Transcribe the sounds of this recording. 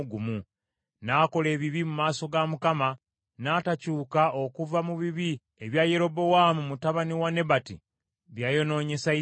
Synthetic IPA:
ɡumu | nako̞le̞ːβiβimumaːso̞ɡamukama | naːtacuːkao̞kuvamuβiβi | eβjaje̞ɾo̞bo̞wamumutaβaniwane̞bati | βjajo̞no̞ːɲe̞sai

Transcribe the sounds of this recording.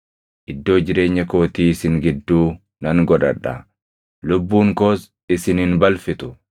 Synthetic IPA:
ʔɪd̪ːo̞ːd͡ʒɪɾe̞ːɲːɐko̞ːt̪iːɪsɪŋɡɪd̪ːuː | nɐŋɡɔᶑɐᶑɐ̰ | lʊbːuːŋkoːs | ɪsɪnhɪnbɐlfɪt̪ʊ̥

